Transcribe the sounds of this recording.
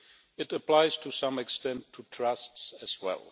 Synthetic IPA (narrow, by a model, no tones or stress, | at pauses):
ɨɾəpl̥aɪz̥tʰusʌ̃mɨkstɛ̃ntʰːutʰɹ̥ʌstsɨzwɛ̰lˠ